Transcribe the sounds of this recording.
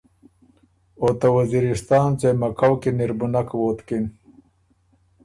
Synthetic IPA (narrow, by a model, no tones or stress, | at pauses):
ot̪ɐwɐziɾist̪ɑːnt͡semɐkawkiniɾbunakwoːt̪kin